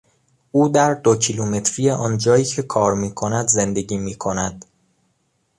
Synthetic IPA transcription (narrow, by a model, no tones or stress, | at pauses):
uːd̪æɾd̪ocʰiluːme̞t̪ʰɾiːjeʔɒːnd͡ʒɒːjiːcʰe̞kʰɒːɾmiːkʰo̞næd̪ze̞nd̪e̞ɟiːmiːkʰo̞næd̪̥